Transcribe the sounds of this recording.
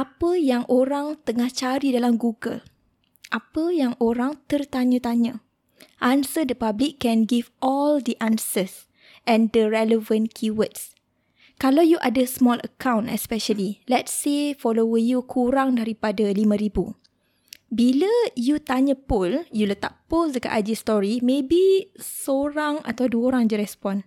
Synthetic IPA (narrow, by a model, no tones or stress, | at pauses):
ʔapəjaŋʔoɾaŋt̪əŋaht͡ʃaɾidalamɡuɡə̰l | ʔapəjaŋoɾaŋt̪ərt̪aɲə̃t̪aɲə̃ | ʔansədəpablikːɛ̃nɡivɔldəʔãnsəs | ʔɛ̃ndəɹɛləvə̃nkʰiwəts | kalawjuʔadəsmɔlə̰kãw̃nɛ̰spɛʃəlilɛtsefɔlowəjukʰuɾaŋdaɾipadalimə̃ɾibu | biləjut̪aɲə̃pʊljulət̪a̰ʔposdəka̰ʔad͡ʒist̪ɔɾimẽbisoɾaŋa̰t̪awduəoɾaŋd͡ʒəɾɛspɔ̃n